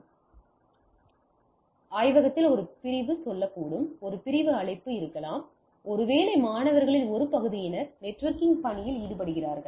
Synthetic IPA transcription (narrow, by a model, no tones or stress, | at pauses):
aːjʋɐɣɐt̪ːɪlɔɾɯpɪɾɪʋɯsɔlːɐkːuːɽɯmɔɾɯpɪɾɪʋɯɐɭɐɪpːɯɪɾɯkːɐlaːm | ɔɾɯʋeːlɐɪmaːnɐʋɐɾɣɐɭɪlɔɾɯpɐɣɯðɪjɪnɐɾnɛʈːʋɐɾkɪŋɡpɐɳɪjɪliːɽɯpɐɽɯɣɪraːɾɣɐɭ